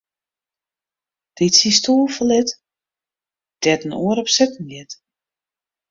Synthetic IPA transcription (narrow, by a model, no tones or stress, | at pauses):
d̥ɪtsistʰoːlˠfɔlɪt | d̥ɛtən̩uəɾɔpsɛtn̩ɪt